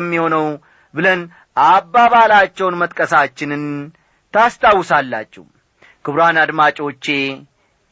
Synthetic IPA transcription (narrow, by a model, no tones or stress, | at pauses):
mːiho̞nəw | bɨlən | ʔabːaβalat͡ʃːɛwnmət̪ʼkʼəsat͡ʃːɪnɨn | t̪ʰast̪ʰawːsalːa̰t͡ʃːɛ̰hu | kʰɨβɾanad̪mat͡ʃʼo̞t͡ʃːe̞